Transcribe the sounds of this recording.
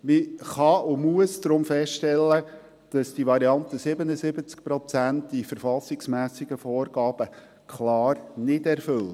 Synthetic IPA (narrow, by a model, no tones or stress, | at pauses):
miχɑʊmuəsd̥ɾʊmfɛstʃtɛlːə | d̥ɑsd̥iʋɑɾiɑnt̪əsɪbənəsɪbət͡skpɾɔt͡sæntd̥ifəɾfɑsɪksmæːsɪɡ̥əfɔːrɡɑːb̥ə | kχlɑːɾnɪdɛɾfʏl